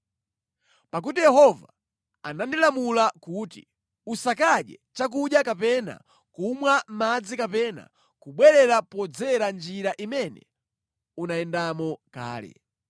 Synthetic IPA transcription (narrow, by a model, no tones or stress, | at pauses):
pak̬utijɛɦɔva | anandilamulakutḭ | usakaɗɛ̰t͡ʃak̬uɗjakapɛna̰ | kumwam̩mad͡zikapɛna̰ | kuɓwɛɾɛɾapɔd͡zɛɾand͡ʒiɾaʔimɛnɛ̰ | unaɛndamɔka̰ːlɛ̰